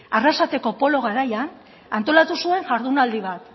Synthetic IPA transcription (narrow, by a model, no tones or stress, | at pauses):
arasat̪e̞ko̞po̞lo̞ɣ̞aɾajan | ant̪o̞lat̪usue̞ŋʝaɾðunald̪iβ̞at̪